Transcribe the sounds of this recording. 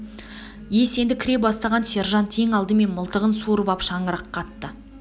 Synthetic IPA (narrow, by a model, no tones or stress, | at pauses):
jese̞nd̪ɪkʲʰɾe̞pbɑst̪ɑʁɑnʃeɾʒɑnt̪ʰeŋɑlˠd̪əme̞nməlˠt̪əʁənsuɾəbɑpʃɑɴəɾɑqʰːɑt̪ːə